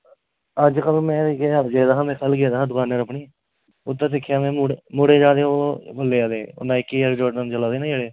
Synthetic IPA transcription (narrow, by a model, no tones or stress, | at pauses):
əd͡ʒkəlmɛ̃ːɡeːəd͡ʒeːd̪aːɦãːmɛ̃ːkʰəlɡeːd̪aːɦãːd̪ʊkaːneːɾəpɳiː | ʊt̪ːãːsɪkʰːjaːmɛ̃ːɽmʊɽeːd͡ʒaːd̪eːoːbəlːeːaːd̪eːo̰nãːɪkːiːəɾd͡ʒoːʈnənt͡ʃəlaːd̪eːnːd͡ʒeɽeː